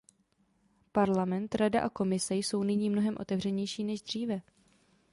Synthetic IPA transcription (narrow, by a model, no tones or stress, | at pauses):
paɾlamɛnt̪ɾadaʔako̞mɪsɛjso̞wnɪɲiːmno̞ɦɛmʔo̞̰t̪ɛvr̝ɛɲɛjʃiːnɛʒd̪r̝iːvɛ